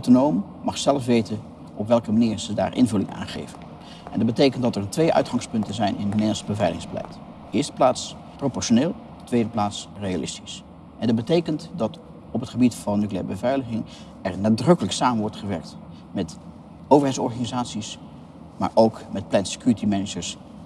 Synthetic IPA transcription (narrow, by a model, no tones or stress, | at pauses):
wtonowmː | ɑχsɛləfʋejtən | ɔpʋɛlˠkəmaniːɹz̥əda̰ːɹʔɪ̰nvɵlɪŋa̰ːnχḛjvən | ɛndɑd̚bətejkəntdɑtɛɹtʋejʔœ̰ɥtχɑŋspɵntəzɛjnɪ̰nnedəl̩ˠsəbəvɛjlə̰ɪŋzbəlɛ̰jt | ɪːɹstə̥plaːts | propɔɹʃoneːlˠ | tʋejdəplaːtsrejalʔɪ̰stis | ʔɛndɑd̚bətejkəntdɑt | ɔpətχəbitfɑnːykliɛ̰ːəbəvɛjləχɪŋ | ɛɹnaːdrɵkələksaːmənʋɔɹtχəʋɛɹk̚t | mɛt | owvəɹɦɛjtsɔɹχanizaːtsis | ma̰ːɹʔowkmɛt̚plɛntse̥kjuɹətimɛnəd͡ʒəɹs